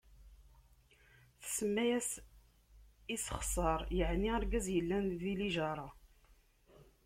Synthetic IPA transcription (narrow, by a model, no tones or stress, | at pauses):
θə̥səmːæjæs | isχsˤɑɾˤjəʕniaɾɡæzjəlːænðiliʒɑɾˤɑ